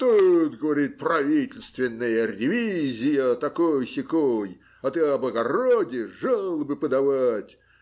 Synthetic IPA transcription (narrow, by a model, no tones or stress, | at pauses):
t̪ut̪ɡəvɐɾʲit̪̚prɐvʲitʲɪlʲst̪vʲɪnːəjəɾʲɪvʲizʲɪjət̪ɐkojsʲɪkoj | ɐt̪ɨɐblˠəɡɐrodʲɪʐalˠəbɨpəd̪ɐvatʲ